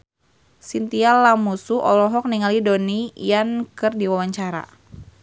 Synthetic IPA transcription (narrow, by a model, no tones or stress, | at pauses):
sint̪ialamusuʔɔlɔɦɔk̚niŋalidonijankɨrdiwawaɲt͡ʃaɾa̰